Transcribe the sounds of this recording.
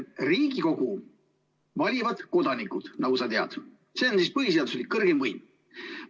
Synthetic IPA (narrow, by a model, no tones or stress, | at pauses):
riːɡiko̞ɡ̥u | vɑlʲivɑd̪̥ko̞d̪̥ɑnikːˑud̪̥nɑɡ̥usɑt̪e̞ɑ̰d̪̥ | se̞onsispɤɦis̬eɑd̪usolʲikːɤrɡ̥emvɤjm